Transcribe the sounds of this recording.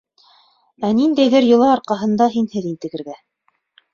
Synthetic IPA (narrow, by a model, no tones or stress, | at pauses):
ænind̪æjðæɾjŏlˠɑɑɾqɑɦɤ̆nd̪ɑɦinhɘðint̪ɘ̆ɡɘ̆ɾɡæ